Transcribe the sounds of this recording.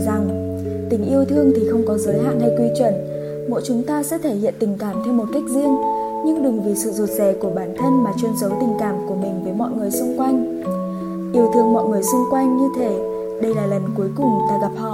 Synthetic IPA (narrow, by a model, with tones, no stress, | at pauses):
za˨˩ŋ | t̪ï˨˩ŋ̟ʔi˧əwt̪ʰɨ˧əŋt̪ʰi˨˩xə˧wŋ͡mkɔ˨˦zəː˨˦jɦa̰ː˧˨nha˧jkwi˧t͡ɕwə˧˩n | mo̰˧˥jt͡ɕʊ˨˦ŋ͡mt̪aː˧sɛ̰˧˥t̪ʰe˧˩hḭ˧˨nt̪ï˨˩ŋ̟kaː˧˩mt̪ʰɛ˧wmo˨˩t̚ka˦˥jk̟̚zi˧əŋ | ɲɨ˧ŋɗɨ˨˩ŋvi˨˩sɨ̰˧˨zu˨˩t̚zɛ˨˧˩ku˧˩əɓaː˨˩nt̪ʰə˧nmaː˨˩t͡ɕwi˧ənsə˨˦wt̪ï˨˩ŋ̟kaː˧˩mku˧˩əmï˨˩ŋ̟vəː˨˦jmɔ̰˧˨jŋɨ˨˩əjsʊ˧ŋ͡mkwa˧jŋ̟ | ʔi˨˦əwt̪ʰɨ˧˩əŋmɔ̰˧˨jŋɨ˨˩əjsʊ˧ŋ͡mkwa˧jŋɲɨ˧t̪ʰe˨˦ | ɗə˧jlaː˨˩lə˨˩nku˨˦jkʊ˨˩ŋ͡mt̪aː˧ɣa˨˩p̚hɔ̰˧˨